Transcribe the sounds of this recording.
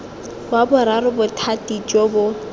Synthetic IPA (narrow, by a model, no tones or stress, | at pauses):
bwabʊɾarʊbʊtʰatʼit͡ʃʼobʊ